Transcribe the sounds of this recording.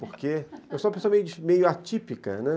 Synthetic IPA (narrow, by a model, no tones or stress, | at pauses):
poɾkeɛwsɔ̃ɐpesõɐmejʊd͡ʒmejʊat͡ʃipikɐ̰nɛ